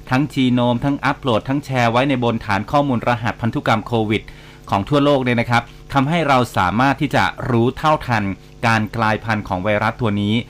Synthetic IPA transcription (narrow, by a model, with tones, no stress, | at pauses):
t̪ʰa˦˥ŋt͡ɕʰiː˧noː˧mt̪ʰa˦˥ŋʔa˦˥p̚ʰloː˨˩t̪ʰːa˦˥ŋt͡ɕʰɛː˧wa˦˥jna˧jbo˧nt̪ʰaː˩˦nkʰɔː˥˩muː˧nɾa˧ɦa˨˩t̪̚pʰa˧nt̪u˦˥ka˧mkʰoː˧wi˨˩t̪̚ | kʰɔː˩˦ŋt̪ʰu˥˩ɐloː˥˩k̚ni˥˩na˦˥kʰɾa˦˥p̚ | t̪ʰa˧mɦa˥˩jɾa˧wsa̰ː˩˦maː˥˩t̪ʰːiː˥˩t͡ɕa̰˨˩ɾuː˦˥t̪ʰa˥˩wt̪ʰa˧n | kaː˧nklaː˧jpʰa˧nkʰɔː˩˦ŋwa˧jɾa˦˥t̪ʰːu˧ɐniː˦˥